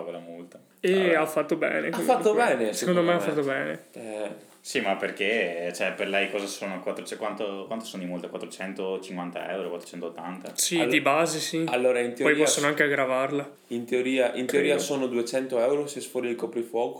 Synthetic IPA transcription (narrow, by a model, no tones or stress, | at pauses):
volamult̪a | eafːat̪ːobɛ̰ːnekafat̪ːobɛːnesekond̪omejafːat̪ːobɛːneɛ | simaperket͡ʃɛperlɛjkɔːzasoːnokwat̪ːɾot͡ʃɛkwant̪okwant̪o̥sonod̪imolt̪akwat̪ːɾot͡ʃɛnt̪ot͡ʃiŋkwant̪a̰ɛ̰wɾokwat̪ɾot͡ʃɛnt̪ot̪ːant̪a̰sild̪ibaːzisialːoːɾaint̪eopɔjpːɔsːonoaŋkeaɡɾavarla | int̪eoɾiːaʔint̪eoɾiːasoːnod̪uet͡ʃɛnt̪oɛwɾosiɛsfolidikɔpːɾifwɔːko